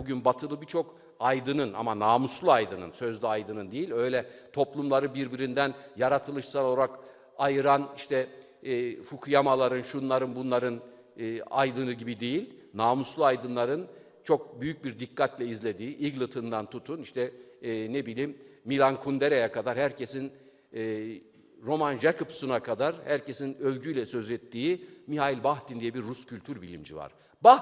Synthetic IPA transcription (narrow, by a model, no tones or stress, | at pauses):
buɟynbat̪ʰɯlˠɯbit͡ʃʰo̞k | ajd̪ɯnɯnʔa̰manaːmuslˠuajd̪ɯnɯ̰nsø̞zlʲiajd̪ɯnɯnd̪ejilʲø̞jlʲɛt̪ʰo̞plˠumlˠaɾɯbiɾbiɾind̪ænjaɾat̪ʰɯlˠɯʃsalˠooɾak | ajɯɾaniʃt̪ʰɛː | fukʰujamalˠaɾɯnʃunlˠaɾɯnbunlˠaɾɯnː | a̰jd̪ɯnɯɟibid̪ejilʲnaːmuslˠuajd̪ɯnlˠaɾɯn | t͡ʃʰo̞k̚byjyc̚biɾd̪ikʰːat̪lʲɛizlʲe̞d̪iːʔiɡlˠɯt̪ʰɯnd̪ant̪ʰut̪ʰuniʃt̪ʰɛnebilʲiːmːilʲˠankʰund̪eɾejakad̪aɾhæɾcʰe̞sinː | ɾo̞mand͡ʒakʰupsunakʰad̪aɾhæɾce̞sinøvɟyjlʲɛsøzɛt̪ːiːmiɦailʲbaxt̪ind̪ijɛbiɾːuscylʲt̪ʰyɾbilʲḭmd͡ʒḭva̰ɾ̥ | ba